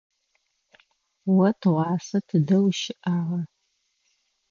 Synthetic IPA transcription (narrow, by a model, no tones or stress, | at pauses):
wɐtʰʁʷɑːsɐtʰɨdɐwʃɪʔaːʁɐ